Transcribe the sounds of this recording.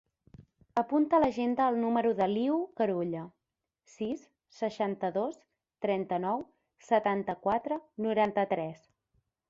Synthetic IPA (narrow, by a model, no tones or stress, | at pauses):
əpunt̪ələʒend̪əːlˠnuməɾuðəliukəɾuʎə | sisː | əʃant̪əðos | t̪ɾɛnt̪ənɔw | sət̪ant̪əkwat̪ɾənuɾant̪ət̪ɾɛs